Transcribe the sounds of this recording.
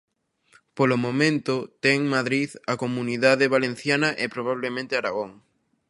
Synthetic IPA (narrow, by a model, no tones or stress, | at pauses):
polomõmẽnt̪ʊt̪ɛŋmaðɾiðɐkomũniðaðeβalenθjanɐʔɪpɾoβ̞aβlemẽnt̪eaɾaɣoŋ